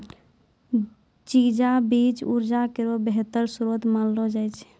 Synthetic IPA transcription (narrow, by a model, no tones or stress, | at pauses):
t͡ʃid͡ʒabit͡ʃuɾd͡ʒakeɾobeɦet̪əɾsuɾot̪malɾɔd͡ʒajt͡ʃʰ